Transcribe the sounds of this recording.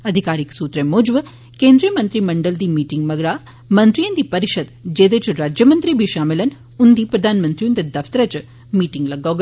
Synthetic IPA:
ɐd̪ʱikaːɾiksuːt̪ɾemoːd͡ʒʋɐ | keːnd̪ɾijɐmɐnt̪ɾimɐɳɖɐld̪iːmiːʈiŋɡmɐɡɽaː | mɐnt̪ɾijɐnd̪ipɐɾiʃɐd̪d͡ʒeːd̪eːt͡ʃuɾaːd͡ʒjɐmɐnt̪ɾibʱiʃaːmelɐn | und̪ipɾɐd̪ʱaːnmɐnt̪ɾijund̪ɐd̪ɐft̪ɐɾɐt͡ʃ | miːʈiŋɡlɐɡoɡ

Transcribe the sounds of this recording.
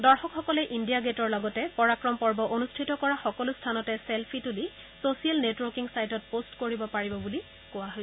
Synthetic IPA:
dɔɹxɔkxɔkɔlɛʔindijaɡetɔɹlɔɡɔtɛpɔɹakɹɔmpɔɹbɔʔonustʰitɔkɔɹaxɔkɔlustʰanɔtɛselpʰituli | sosijalnetwɔɹkiŋsajtɔt̚postkoɹibɔpaɹibɔbuli | kʊwaɦojsɛ

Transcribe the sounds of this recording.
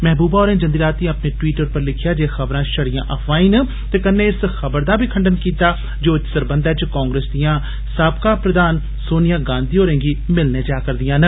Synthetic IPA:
mɛɦbuːbaːoːɾẽːd͡ʒənd̪iːɾaːt̪ĩəpneːʈwiːʈəɾpəɾlɪkʰɪjaːd͡ʒeːxəbɾãːʃəɽɪjã̰ːʔəpʰʋaːĩːnə | t̪eːkənːẽːɪsxəbəɾd̪aːbʱiːkʰəɳɖənkiːt̪aː | d͡ʒoːt͡ʃsəɾbə̃nd̪ɛːt͡ʃkaːŋɡɾeːsd̪ijãː | saːb̚kaːpɾəd̪aːn | soːnɪjaːɡãːnd̪iːɦoːɾẽːɡiːmɪlneːd͡ʒaːkəɾd̪ijãːnə

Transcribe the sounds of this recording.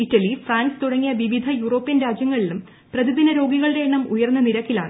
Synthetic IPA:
itːɐlifraːnst̪uɽɐŋːijɐʋiʋid̪ʱɐjuːro̞ːpːjɐnɾaːd͡ʑjɐŋːɐɭilum | prɐðiðinɐɾo̞ːɡiɣɐɭɾe̞ːɳːɐmujɐrnːɨniɾɐkːilaːɳɨ

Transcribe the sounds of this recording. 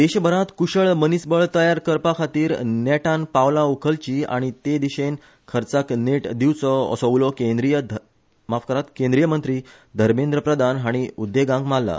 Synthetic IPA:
d̪eɕbʱəɾãt̪kuɕəɭmənisbəɭt̪əjaɾkəɾpakʰat̪iːɾnɛʈanpaʋlaukʰəlt͡ɕia̰ɽ̃it̪ed̪iɕen | kʰəɾt͡sakneʈd̪iwt͡sɔɔ̰səʋlɔkẽnd̪ɾijə | mafkəɾat̪kẽnd̪ɾijəmənt̪ɾiː | d̪ʱəɾmẽnd̪ɾəpɾəd̪ʱanɦaɽ̃iud̪ːeɡãŋɡmalːa̰

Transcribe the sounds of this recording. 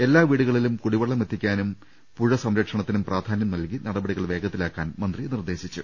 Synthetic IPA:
e̞lːaːʋiːɽuɣɐɭilumkuɽiʋɐɭːɐmet̪ʰːikʲːaːnum | puɻɐsɐmɾɐkʂɐɳɐt̪ːinumpraːd̪ʱaːnjɐmnɐlkinɐɽɐbɐɽiɣɐɭʋe̞ːɡɐt̪ːilaːkːaːnmɐnd̪rinird̪e̞ːɕit͡ɕːṵ

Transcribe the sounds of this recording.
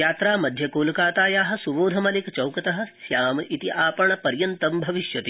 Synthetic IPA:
jaːt̪ɾaːmɐd̪ʱjɐkoːlukaːt̪aːjaːɦɐ̆suboːd̪ʱɐmɐlikt͡ʃɐwkɐt̪ɐɦɐ̆sjaːmʔit̪iʔaːpɐɳɐpɐɾjɐnt̪ɐmbʱɐʋiʃjɐt̪i

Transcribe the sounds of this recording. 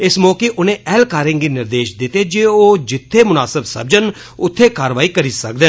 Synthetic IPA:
ɪsmɔːkeːʔʊnẽːʔɛːlkaːɾɪ̃ŋɡiːnɪɾd̪eːʃd̪ɪt̪eːd͡ʒeːoːd͡ʒɪt̪ʰːeːmʊnaːsəbsə̰b̚d͡ʒən | ʊt̪ʰːeːkaːɾʋaːiːkəɾiːsək̚d̪ɪ

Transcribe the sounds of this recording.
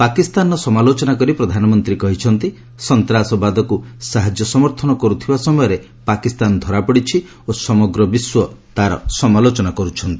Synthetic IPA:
pakist̪anɔsɔmalot͡ʃɔnakɔɾipɾɔd̪ʱanɔmɔnt̪ɾikɔɦit͡ʃʰɔnt̪i | sɔnt̪ɾasɔbad̪ɔkusaɦad͡ʒjɔsɔmɔɾt̪ʰɔnɔkɔɾut̪ʰibasɔmɔjɔɾe | pakist̪and̪ʱɔɾapɔɽit͡ʃʰi | osɔmɔɡɾɔbiswɔt̪aɾɔ̰sɔmalot͡ʃɔnakɔɾut͡ʃʰɔnt̪i̥

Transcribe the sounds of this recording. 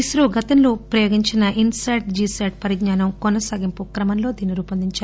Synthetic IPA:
isɾoɡɐt̪ɐnloːpɾɐjoːɡiɲt͡ʃinɐʔinsɐjʈ̚d͡ʒiːsɐʈ̚pɐɾid̪ɲaːnɐmkɔnɐsaːɡimpukɾɐmɐnlo̞ːd̪iːniɾuːpɐnd̪iɲt͡ʃaːɾ

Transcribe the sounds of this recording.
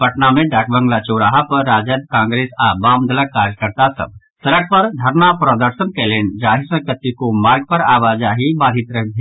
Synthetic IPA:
pəʈnamẽɖak̚bə̃ŋɡlat͡ʃoɾaɦapəɾːaːd͡ʒəd̪kãːŋɡɾesabamd̪ʱələkːaɾjəkəɾt̪asə̰b̚ | səɾək̚pəɾd̪ʱəɾnapɾəd̪əɾsənkelend͡ʒaɦisə̃kət̪ːikomaɾɡ̚pəɾaːʋad͡ʒaɦibad̪ʱit̪ɾəɦd̪ʱe

